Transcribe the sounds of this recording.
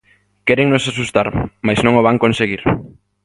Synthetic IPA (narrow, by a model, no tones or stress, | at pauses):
kɛɾeŋnosaʃust̪aɾmajznõŋoβ̞aŋkonseɣ̞iɾ